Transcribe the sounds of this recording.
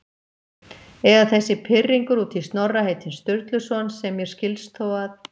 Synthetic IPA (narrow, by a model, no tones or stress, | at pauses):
ɛɣaθɛsːɪpʰɪrːiŋkʏɾut̪θist̪nɔrːaheːjt̪ɪnst̪ʏɾt̪lʏsɔnsːɛmːjɛɾ̥scɪlst̪θowað